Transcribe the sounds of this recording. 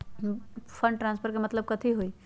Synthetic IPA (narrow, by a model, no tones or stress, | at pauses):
pʰəɳɖʈɾãnspʰəɾkemət̪ləb̚kət̪ʰiɦoi